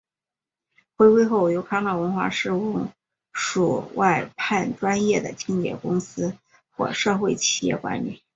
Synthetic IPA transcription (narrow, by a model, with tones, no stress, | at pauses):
xwe˥ɪwe˥ɪxo˥˩ʊjo˧˥ʊkʰɑ˥ŋnɑ˥˩wə˧˥nxwa̰˥˩ʂɻ̩˥˧ʊ˥˩ŋ | ʂu˨˩wa˥˧ɪpʰa˥˩nʈ͡ʂwa˥njɛ˥˩d̪ə̰˩t͡ɕi˥ŋjɛ̰˨˩kʊ˥ŋsɹ̩˥ | xwɔ̰˥˧ʂɤ˥˧xwe˥˩ɪt͡ɕʰi̥˨˩jɛ̰˥˩kwa̰˧˥nly̰˨˩˦